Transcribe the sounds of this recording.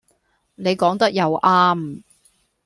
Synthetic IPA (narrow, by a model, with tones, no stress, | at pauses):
ne˨˧jkɔː˨˥ŋt̪ɐ˥k̚jɐ˨˧wʔaː˥m